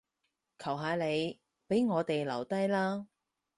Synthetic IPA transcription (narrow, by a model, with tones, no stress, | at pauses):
kʰɐ˨˩wɦaː˨˧le˨˧j | pe˨˥jŋɔː˨˧t̪e˨jlɐ˨˩wt̪ɐ˥jlaː˥